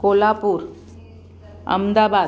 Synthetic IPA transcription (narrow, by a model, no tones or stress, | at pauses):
kolapuːɾ | ə̰md̪aba